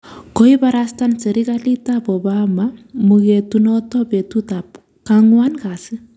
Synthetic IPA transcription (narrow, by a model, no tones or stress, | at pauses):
koipaɾastanseɾikalitapɔbamamuketunɔtɔpetutap | kaŋwankasi